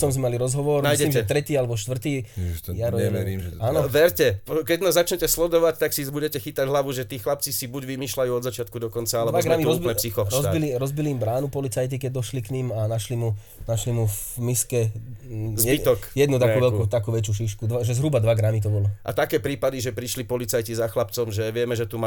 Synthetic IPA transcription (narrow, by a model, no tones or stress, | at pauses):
sɔmzmɛmaliɾɔzɦɔʋɔɾmnjsɛlimʒɛt̪ɾɛt̪iːalɛbɔʃt̪ʋr̩t̪iːjaɾɔɛmɛɾianɔʋɛɾcɛpɔkɛɟnazat͡ʃɲɛcɛslɔd̪ɔʋact̪aksibuɟɛcɛxit̪aɟɦlaʋuʒɛt̪iːxlap̚t͡sisibuɟʋimiːʃlajuːɔd̪zat͡ʃɪat̪̚kud̪ɔkɔnt͡saalɛʋaɡɡɾamiɔzb̪ɛsixɔɾɔzbiliɾɔzbiliːmbɾaːnupɔlit͡sajt̪ikɛɟ̚d̪ɔʃlikɲimanaʃlimu | naʃlimufmiskɛ | zjɛbit̪ɔkjɛd̪nut̪akuʋɛlut̪akuːʋɛt͡ʃjuːʃ̬iʃkud̪ʋaʒɛzɦɾubad̪ʋaɡɾamit̪ɔbɔlɔʔa̰t̪akɛːpɾiːpad̪iʒɛpɾiʃlipɔlit͡sajcizaxlapt͡sɔmʒɛʋɪɛmɛʒɛt̪uma